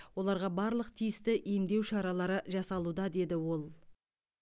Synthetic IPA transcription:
wo̞lˠɑɾʁɑbɑɾlˠəqt̪ʰijɪst̪ɪʔijmd̪e̞wʃɑɾɑlˠɑɾəʒɑsɑlˠud̪ɑd̪e̞d̪ɪwo̞lˠ

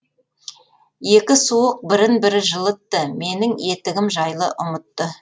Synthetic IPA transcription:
je̞kʲɪsuəq̚bɪɾɪnbɪɾɪʒəlˠət̪ːəme̞nɪŋe̞t̪ɪɡʲɪmʒɑjlˠəʔʊmət̪ːə

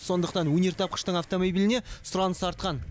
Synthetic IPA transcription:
so̞nd̪əqt̪ɑnwɵnʲeɾt̪ʰɑp̚qə̥ʃt̪əɴaft̪o̞mo̞bilɪne̞sʊɾɑnəsɑɾt̪̚qɑn

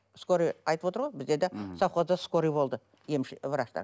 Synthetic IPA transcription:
sko̞ɾiɑjt̪əpwo̞t̪əɾʁojbɪzd̪ed̪ɑsɑwqozɑskoɾijbo̞lˠd̪ə | je̞mʃvəɾɑʃt̪ɑ̰

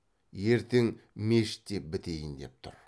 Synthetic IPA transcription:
je̞ɾt̪e̞ŋme̞ʃɪ̥t̪ːe̞p̚bɪt̪e̞jɪnd̪e̞p̚t̪ʰʊ̰ɾ

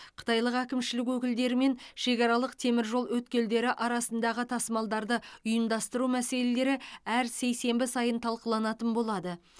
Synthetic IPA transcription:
qʰə̥t̪ɑjlˠəqækʲɪmʃɪlɪk̬wɵkʲɪld̪e̞ɾɪme̞nʃe̞kʲɑɾɑlˠəq̚t̪ʰe̞mɪɾʒo̞lˠwɵt̪̚kʲe̞ld̪e̞ɾɪʔɑɾɑsənd̪ɑʁət̪ʰɑsəmɑlˠd̪ɑɾd̪əʊjəmd̪ɑst̪əɾumæse̞le̞le̞ɾɪæɾse̞jse̞mbɪsɑjənt̪ʰɑlˠqəlˠɑnɑt̪ənbo̞lˠɑd̪ə

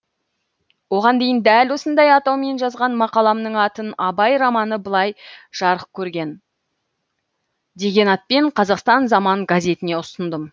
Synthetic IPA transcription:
wo̞ʁɑnd̪e̞jɪnd̪ælwo̞sənd̪ɑjɑt̪ɑwme̞nʒɑzʁɑnmɑqɑlˠɑmnəɴɑt̪ənɑbɑjɾɑmɑnəbəlˠɑjʒ̥ɑɾəq̚kʲʰɵɾɡʲe̞n | d̪e̞ɡʲe̞nɑt̪̚pe̞ɴqʰɑzɑqst̪ɑnzɑmɑɴɡazʲe̞t̪ɪne̞ʊst̪ənd̪əm

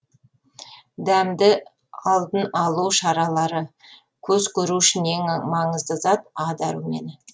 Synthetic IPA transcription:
d̪æmd̪ɪ | ɑlˠd̪ənɑlˠuwʃɑɾɑlˠɑɾə | kʲʰɵzkʲʰɵɾuʃɪne̞ŋmɑɴəzd̪əzɑt̪ɑd̪ɑɾume̞̰n

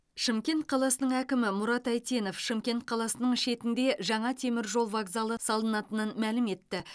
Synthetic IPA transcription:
ʃimkʲe̞nt̪̚qʰɑlˠɑsənəɴækʲɪmɪmʊɾɑt̪æjt̪e̞no̞fʃimkʲe̞nt̪̚qʰɑlˠɑsənəɴʃe̞t̪ɪnd̪e̞ʒɑɴɑt̪ʰe̞mɪɾʒo̞lˠvaɡzɑlˠəsɑlˠənɑt̪ənənmælɪme̞t̪ːɪ

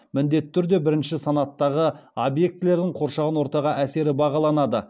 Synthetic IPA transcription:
mɪnd̪e̞t̪ːɪt̪ʰʏɾd̪e̞bɪɾɪnʃɪsɑnɑt̪ːɑʁəobje̞k̚t̪ɪle̞ɾd̪ɪɴqʰo̞ɾʃɑʁɑnwo̞ɾt̪ɑʁɑʔæse̞ɾɪbɑʁɑlˠɑnɑd̪ə̰

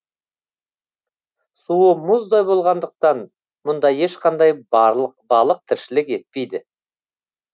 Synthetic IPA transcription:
suəmʊzd̪ɑjbo̞lˠʁɑnd̪əq̚t̪ɑn | mʊnd̪ɑje̞ʃqʰɑnd̪ɑjbɾlˠəq̚bɑlˠəq̚t̪ʰɪɾʃɪlɪke̞t̪̚pe̞jd̪ɪ

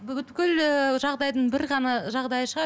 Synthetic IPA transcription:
bʏt̪kʲɪləʒɑʁd̪ɑjd̪əɴbɪɾʁɑnɑʒɑʁd̪ɑjəʃəʁɑ

